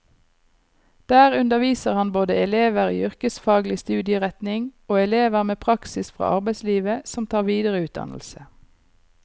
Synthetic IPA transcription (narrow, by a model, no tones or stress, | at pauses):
d̪̥æːʁʉnd̪əʁʋiːsəʁhɑnboːd̪əɛleːʋəʁḭːʏʁkəsfɑːɡlɪst̪ʉːd̪ɪəʁɛt̪nɪŋoːɛleːʋəʁmeːpʰʁɑksɪsfʁɑ̰ːʔɑ̰ʁbæɪsliːʋəsɔmt̪ʰɑːʁʋiːd̪əʁəʉːt̪̚d̪ɑ̰nl̩sə